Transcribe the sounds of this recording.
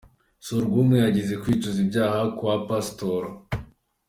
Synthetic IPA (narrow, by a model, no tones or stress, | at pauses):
suɾɡumŋejaɟize̞kwiːt͡ʃozibɟaːhakuwapastoɾo